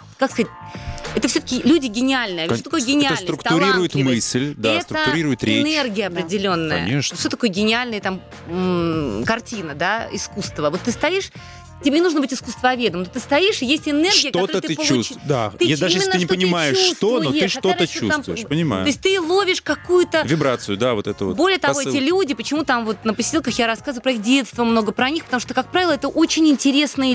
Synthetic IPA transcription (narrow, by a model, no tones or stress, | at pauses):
kakskɐzat̚ʲɛt̪əfsʲot̪ə̥kʲɪlʲudʲɪɡʲɪnʲɪalʲnɨjəassot̪ɐkojɡʲɪnʲɪalsnt̪ɾʊkt̪ʊɾʲiɾʊjɪt̪mɨsʲlʲd̪aɛst̪ɾəʊɾʲiɾʊjɪt̪ɾʲenerɡʲɪjəɐpɾʲɪdʲɪlʲo̞nːəɐ̰əeʂfsʲot̪ɐkojəɡʲɪnʲɪalʲnɨjət̪am | kɐrtʲinəd̪aɪskust̪vəvo̞t̪ːɨst̪ɐjiʂ | tʲɪbʲenʲɪnuʐnəbɨtʲɪskʊst̪vɐvʲe̞d̪əmnot̪ɨst̪ɐjiʂɪjesʲtʲɪnɛrɡʲɪjəkt̪ɐotoɾət̪ɨpəlˠusd̪a̰t̪ɨed̪aʐjsmɪsnːɨnʲɪpənʲɪmajɪʂust̪t̪ovnoj̪ɨʂt̪oət͡ɕṵsamvʊ̰ɪpənʲɪma̰tʊosʲt̚ʲt̪ɨlˠovʲɪʂkɐkujʊt̪əvʲɪbɾat̪sɨjʊd̪avot̪ɛt̪əo̰bolʲɪjət̪ɐvo̞ɛt̪ʲɪlʲudʲɪpət͡ɕɪmut̪amvo̞t̪nəpəsʲɪ̥dʲelˠkəxjaɾɐskazvɨʊpɾɐixdʲe̞t̪st̪vəmno̞ɡəpɾɐnʲixpət̪ɐmuʂt̪okak̚pɾavʲɪlˠɛt̪əʔo̞t͡ɕɪnʲɪnʲtʲɪɾʲe̞snɨ